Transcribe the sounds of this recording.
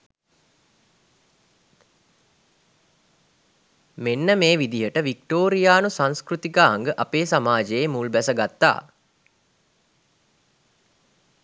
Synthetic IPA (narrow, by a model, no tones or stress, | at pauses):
menːəmeːʋid̪iɦəʈəʋik̚ʈoːɾijaːnusãnskrut̪ikaːŋɡəʔapeːsamaːd͡ʒejemulbæsəɡat̪ːa̰ː